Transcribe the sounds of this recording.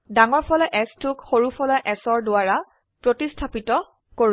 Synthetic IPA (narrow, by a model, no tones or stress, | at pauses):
daŋɔɹpʰɔlɔjʔɛstʰʊkxoɹupʰɔlɔjʔɛsɔɹdʊaɹa | pɹotistʰapitɔ | koɹ